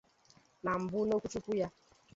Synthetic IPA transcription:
na˨m̩˨bʊ˦no˦kʷu˦t͡ʃu˦kʷu˦ja˦

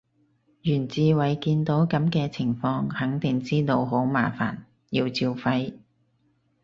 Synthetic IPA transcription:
jyː˨˩nt͡siː˨˧wɐ˨˩jkiː˧nt̪o˨˥wkɐ˨˥mkɛː˧t͡sʰɪ˨˩ŋfɔː˧ŋhɐ˨˥ŋt̪ɪ˨ŋt͡siː˥t̪o˧wɦo˨˥wmaː˨˩fa̰ː˨˩n | ji˧wt͡siː˧wfɐ˧j

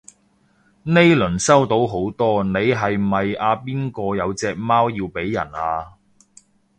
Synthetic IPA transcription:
ne˥jlɵ˨˩nsɐ˥wt̪o˨˧˥wɦo˨˥wt̪ɔː˥ne˨˧jɦɐ˨jmɐ˨jaː˨˧piː˥nkɔː˧jɐ˨˧wt͡sɛː˧k̚maː˥wjiː˧wpe˨˥jːɐ̰˨˩naː˧

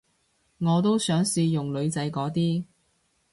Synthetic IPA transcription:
ŋɔː˨˧t̪̬o˥wsœː˨˥ŋsiː˧jʊ˨˩ŋlɵ˨˧ɥt͡sɐ˨˧˥jkɔː˨˥t̪iː˥

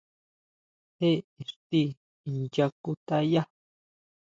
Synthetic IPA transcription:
he˦e˨ɾt̪i˦˨ | nja˧ku˦t̪a˦ja˦

